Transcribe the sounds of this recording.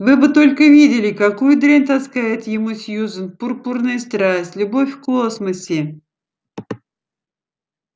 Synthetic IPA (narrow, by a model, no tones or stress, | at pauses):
vɨbɨt̪o̞lʲkəvʲidʲɪlʲɪkɐkujd̪ɾʲenʲt̪ɐskajɪt̪jɪmusʲjuzənpʊrpurnɨjəst̪ɾasʲtʲlʲʊbo̞fʲfkosməsʲɪ